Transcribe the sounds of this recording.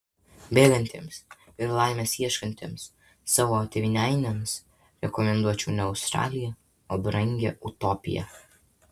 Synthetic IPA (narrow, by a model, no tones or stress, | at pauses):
bʲeːlʲɛnʲt̪ʲḛːms | ɪɾlˠɑˑɪmʲeːsiɛʃkɐnʲt̪ʲḛːmsː | ɑːʋoːt̪ʲeʋʲɪnʲæˑɪnʲems | ɾʲɛkɔmʲɛnd̪uɔt͡ʃʲṵːnʲɛʊst̪ɾɑ̰ːlʲɪjɛ | obɾɐŋʲɡʲḛʊt̪ɔːpʲɪ̰jɛ̰